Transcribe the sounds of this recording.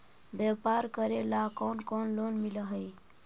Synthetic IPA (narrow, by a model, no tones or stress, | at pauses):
bepaɾkəɾelakonkonlonmiləɦəj